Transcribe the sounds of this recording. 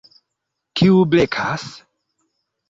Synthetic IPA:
kiublekʰas

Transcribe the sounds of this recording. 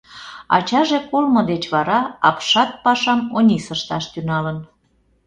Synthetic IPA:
ɑ̰t͡ɕɑʒekolmə̆d̪et͡ɕβɑɾɑɑpʃɑt̪̚pɑʃɑmonʲisəʃt̪ɑʃt̪ynɑlən

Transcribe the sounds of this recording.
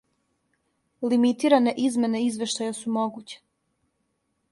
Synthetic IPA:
limit̪iːɾane̞ʔizme̞ne̞izʋe̞ʃt̪ajasumoɡut͡ɕe̥

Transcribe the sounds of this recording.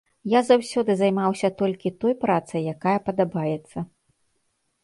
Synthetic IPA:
jazawsʲɔd̪ɨzajmawsʲɐt̪ɔlʲkʲit̪ɔjpɾat̪sɐjːakajɐpɐd̪abajɛt̪sːɐ

